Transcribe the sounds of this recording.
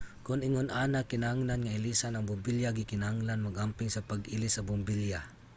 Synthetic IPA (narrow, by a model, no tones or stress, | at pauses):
kʊnɪŋʊnʔaːnakɪnahaŋlanŋaɪlisanaŋbʊmbɪljaɡɪkɪnahaŋlanmaɡampɪŋsapaɡʔɪlɪsabʊmbɪlja